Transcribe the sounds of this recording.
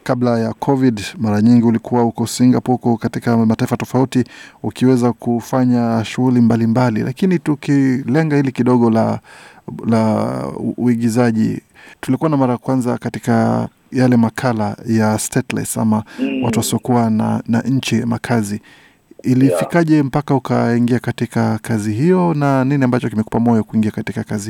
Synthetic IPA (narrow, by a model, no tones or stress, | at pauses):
kablajakʰɔvidmaɾaɲiŋɡiulikuwahukɔsiŋɡapɔukɔkatikamataifatɔfautiukiwɛzakʰufaɲaʃuɣulimbalimbalḭlʔa̰kinitukilɛŋɡahilikiɗɔɠɔla̰ | la | uiɠizaʄḭ | tulikuwanamaɾajakwanzakatika | jalɛmakʰalajastɛtla̰jtsa̰mawatuasɔkuana̰naɲ̩t͡ʃimakʰaziː | lifikaʄɛm̩pakaukaiŋɡiakatikakaziɦijɔnaniniambat͡ʃɔkimɛkupamɔjɔkuiŋɡiakatikakazi